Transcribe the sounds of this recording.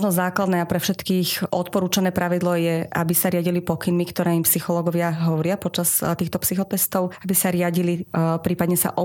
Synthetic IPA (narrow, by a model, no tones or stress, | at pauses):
ʒnɔzaːklad̪nɛːapɾɛfʃɛt̪kiːxʔɔt̪̚pɔɾuːt͡ʃanɛːpɾaʋid̪lɔjɛʔa̰bisaɾɪaɟilipɔkinmikt̪ɔɾɛːimpsixɔlɔːɡɔʋɪaɦɔʋɔɾɪapɔt͡ʃast̪iːxt̪ɔpsixɔt̪ɛst̪ɔʊabisaɾɪaɟilipɾiːpad̪ɲɛsa̰ʔɔ